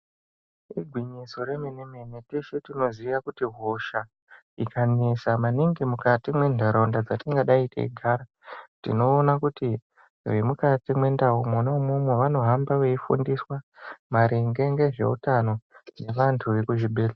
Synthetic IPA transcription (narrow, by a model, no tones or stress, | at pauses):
iɡʱwiɲiso̞ɾemenemeneteʃetino̞ziʋakutiɦoʃa | ikʰanesamaniŋɡemukatimwe̞ndʱaɾondad͡zatiŋɡaɗaitʰḛḭɡʱaːɾa | tḭno̞ːnakuti | wemukatimwe̞ndaɦumonomumweʋano̞ɦambaʋeifṵndiswamaɾiŋɡe̞ŋɡe̞ʐe̞̰ṵtano̞ne̞ʋantʰuʋe̞kuʒiɓeːla